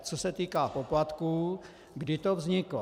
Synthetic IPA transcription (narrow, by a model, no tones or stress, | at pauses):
t͡sosɛt̪iːkaːpo̞plat̪kuː | ɡdɪt̪ovzɲɪklo